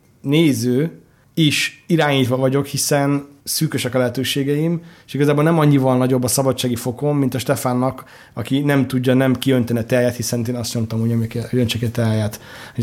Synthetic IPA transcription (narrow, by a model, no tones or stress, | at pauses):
neːzøː | iʃiɾaːɲiːt̪ʋɒvɒɟo̞khisɛnsyːkøʃɛkɒlɛɦɛt̪øːʃeːɡɛimeʃiɡɒzaːbolnɛmɒɲːivɒlnɒɟo̞bːɒsɒbɒtt͡ʃːaːɡifo̞ko̞mːint̪ɒʃt̪ɛfaːnːɒk | ɒkinɛmt̪uɟːɒnɛmkiønt̪ɛniɒt̪ɛɾjat̪hisɛnt̪eːnɒst̪ɲo̞mt̪ɒmuːɲomjkːønt͡ʃɛkɛt̪ɛɾjaːt̪ho